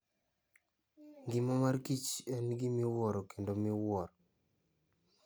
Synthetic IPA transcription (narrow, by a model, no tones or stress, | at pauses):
ŋɡɪmɔmarkit͡ʃɛnɡimiwɔɾɔkendomɪwɔɾɔ